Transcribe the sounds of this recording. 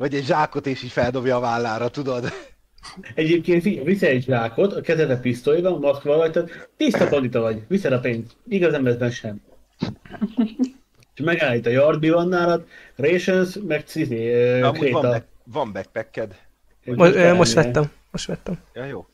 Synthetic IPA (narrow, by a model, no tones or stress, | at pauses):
vɒɟɛɟʒaːko̞t̪eːʃiːcfɛld̪o̞bjɒːvaːlːaːɾɒt̪ud̪od̪ | ɛɟeːp̚keːnt̪fivisɛːɟʒaːko̞t̪ɒkɛzɛt̪ɛt̪pist̪oːjivɒnmɒskʋɒvɒc̚t̪at̪t̪ist̪ɒfond̪it̪ɒvɒɟvisɛd̪ɒpeːnsiɡɒzɛmvɛzbɛnʃɛm | ʃmɛɡaːjit̪ɒjɒrd̪̚bivɒnːaːɾɒt̪reːʃønsmɛksizeːkɾeːt̪ɒ | vɒmbɛk̚pɛkːɛd̪ | emoømoʃt̪ʋɛt̪ːɛm | moʃtʋɛt̪ːɛmjɒjoː